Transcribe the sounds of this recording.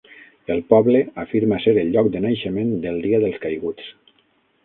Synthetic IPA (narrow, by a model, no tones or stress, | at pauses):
əlˠpɔβləafiɾmaseɾəlˠʎːɔkd̪ənajʃəmẽnd̪əlˠd̪iaðəlˠskajɣut͡s